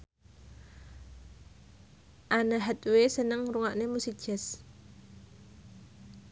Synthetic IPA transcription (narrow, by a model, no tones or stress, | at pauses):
ʔanaɦɛt̪wesənəŋruŋaʔnemusid̥ʒ̥ɛs